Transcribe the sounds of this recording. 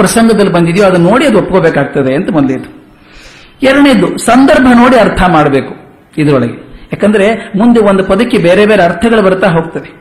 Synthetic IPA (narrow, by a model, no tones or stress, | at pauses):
ɾɐsɐŋɡɐd̪ɐlːibɐnd̪id̪ijoːɐd̪ɐnno̞ːɽiɐd̪uopːɐɡobeːkaːɡ̚t̪ɐd̪eɐnt̪ɐmod̪led̪u̥ | ɛɾɐɳed̪ːusɐnd̪ɐɾbʱɐno̞ːɽiɐɾt̪ʰɐmaːɽɐbeːku̥ | id̪ɐɾɔɭɐɡejaːkɐnd̪ɐɾe̞mund̪eʋond̪upɐd̪ɐkːebeːɾebeːɾeɐɾt̪ʰɐɡɐɭubɐɾut̪aːɦo̞ːɡ̚t̪ɐd̪e